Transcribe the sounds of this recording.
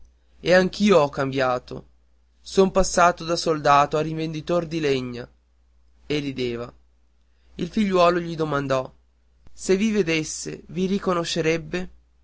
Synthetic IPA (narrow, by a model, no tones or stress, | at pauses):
eaŋk̟iːoɔkːambjaːt̪o̰ | sompasːaːt̪od̪asold̪aːt̪oaɾiɱvend̪it̪ord̪ileɲːa | erːid̪eːva | ilfiʎːwɔːloʎid̪omand̪ɔ | sevived̪esːḛviɾikonoʃːeɾɛbːe